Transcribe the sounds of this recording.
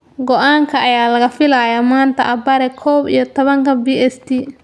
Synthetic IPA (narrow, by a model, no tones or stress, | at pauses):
ɡɔʔaːŋkʰɐʔɐjaːlɐɣɐfɪlaːjaːmaːnt̪ʰɐʔɐbɐɾɛkʰɔːbijɔt̪ʰɔβɐŋkʰɐbiːɛst̪ʰi